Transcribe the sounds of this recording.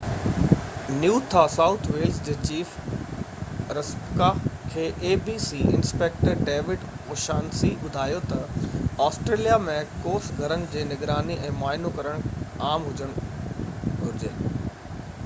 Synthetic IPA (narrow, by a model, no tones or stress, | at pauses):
njuːt̪ʰasaːʊt̪ʰʋeːlzd͡ʑeːt͡ɕiːf | ɾɐspkakʰeːʔeːbiːsiɪ̰̃nspeːk̚ʈəɾɖeːʋɪɖ | koːʃaːnsibʊd̪ʱaːjot̪ɐɔːsʈɾeːlijamẽkoːsɡʱɐɾənɪ̆d͡ʑeːnɪɡɾaːniʔɛ̃ːmaːɪnokɐɾəɽ̃aːmɦʊd͡ʑəɽ̃ | ɡʱʊɾɪd͡ʑeː